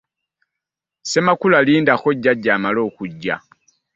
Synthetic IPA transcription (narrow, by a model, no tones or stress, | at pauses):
se̞makulaliːndaxo̞ɟːaɟːaːmalo̞ːkuɟːa̰